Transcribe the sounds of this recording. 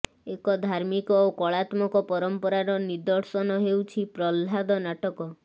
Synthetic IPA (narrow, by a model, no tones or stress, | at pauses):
ekɔd̪ʱaɾmikɔokɔɭat̪mɔkɔpɔɾɔmpɔɾaɾɔniɾd̪ɔɾsɔnɔɦewt͡ʃʰipɾɔlɦad̪ɔnaʈɔkɔ